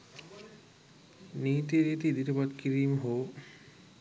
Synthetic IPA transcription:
niːt̪iɾit̪iid̪iʈəpad̪̚kiɾiːmɦoː

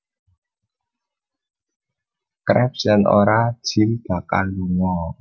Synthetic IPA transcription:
kɾɛp̚sɛnʔo̰ɾḁʒ̥ild̥a̤ka̰lːuŋɔ

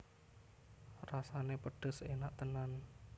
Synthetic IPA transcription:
rasanepəɖ̥ə̤senaʔt̪ənan

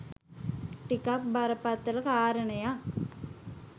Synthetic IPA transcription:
ʈikak̚baɾɐpat̪ːɐlɐkaːɾɐɳɐja

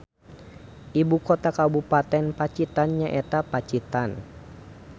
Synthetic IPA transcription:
ʔibukɔt̪akabupat̪ɛnpat͡ʃit̪anɲaʔɛt̪apat͡ʃit̪an

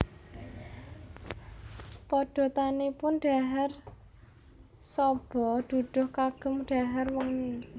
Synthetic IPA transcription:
pɔɖ̥o̤t̪anepʊnɖ̥a̤ɦɛr | sɔb̥ɔ̤ɖ̪̥ṳɖ̪̥ʊ̤hkaɡ̥ə̤mɖ̥a̤ɦɛrwɔŋ

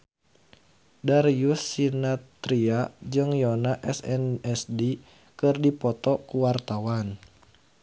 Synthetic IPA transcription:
daɾijusinat̪ɾiad͡ʒɨŋjɔnaʔɛsɛnɛsdi | kɨrdipɔt̪ɔkuwart̪awan

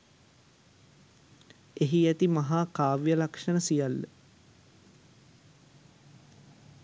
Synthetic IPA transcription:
eɦiæt̪imaɦaːkaːʋjəlakʂənəsijalːə̰

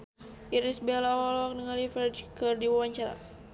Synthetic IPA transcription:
ʔiɾisbɛlaɔlɔk̚nəŋalifɛdkɨrdiwawaɲt͡ʃaɾa̰

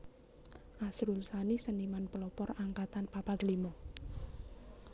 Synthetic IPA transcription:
ʔasɾulsanisənimanpəlɔpɔraŋkat̪anpapad̪əlimɔ

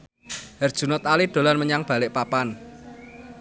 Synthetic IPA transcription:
ərd̥ʒ̥ṳnɔt̪alid̥o̤lanməɲaŋb̥a̤lɪʔpapan

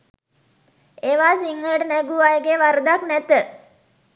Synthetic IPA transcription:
eːʋaːsiŋːəɖənæɡuajəɡeʋaɾəd̪aknæt̪ə

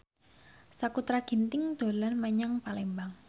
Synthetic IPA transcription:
sakut̪ɾaɡ̥i̤nt̪ɪŋd̪̥o̤lanmaɲaŋpalembaŋ

